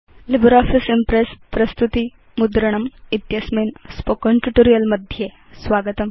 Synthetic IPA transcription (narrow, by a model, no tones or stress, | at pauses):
libɾɔfisimpɾespɾɐst̪ut̪i | mud̪ɾɐɳ̃ɐmit̪jɐsmenspokəɳʈuʈoɾijɐlmɐd̪ʱje | sʋaɡət̪ɐm